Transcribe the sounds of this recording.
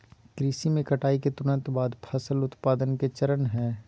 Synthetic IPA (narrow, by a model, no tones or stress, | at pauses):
kɾɪsimẽkɐʈaːiket̪ʊnə̃nt̪baːd̪pʰəsəlʊt̪paːd̪ənket͡ʃəɾənɦɛː